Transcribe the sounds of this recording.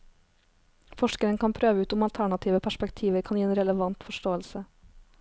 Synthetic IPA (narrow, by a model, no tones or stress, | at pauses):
fɔʃkəɾənkʰɑnpʰɾøːʋəʉːt̪ʊmɑlt̪ʰæɳɑt̪ʰiːʋəpʰæʃpɛkt̪ʰiːʋəɾkʰɑnjiːeːnɾɛləʋɑnt̪fɔʃʈoːəlsə